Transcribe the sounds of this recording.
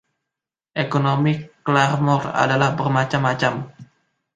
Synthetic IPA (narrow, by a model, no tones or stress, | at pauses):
ʔekonomiklarmɔra̰dalahbərmat͡ʃamːat͡ʃam